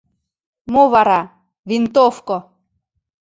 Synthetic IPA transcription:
moβɑɾɑ | vint̪ofko

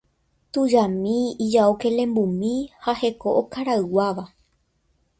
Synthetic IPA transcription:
t̪ud͡ʒamĩid͡ʒaokelẽ̞mbumĩhahe̞ko̞ʔokaɾaɨwaʋa

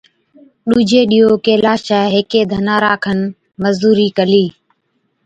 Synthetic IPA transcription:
ɗuːd͡ʒʱeːɗiːɦoːkeːlaːʃaːɦeːkeːd̪ʱənaːɾaːkʰən | məzd̪uːɾiːkəliː

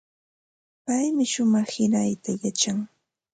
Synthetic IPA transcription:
pajmɪʃʊmɑχhɪnajt̪ajat͡ʃaŋ

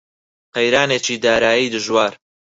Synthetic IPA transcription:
qɐjɾaːnet͡ʃiːd̪aːɾaːjijd̪ɨʒwaːɾ

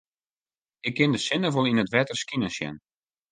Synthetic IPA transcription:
ɪkʰːɪndəsɪnəʋolˠinətʋɛtərskinəsjɛ̰n

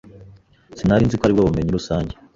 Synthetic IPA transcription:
sinaɾinzikoaɾibɡaβume̞ɲiɾusaːɲɟe

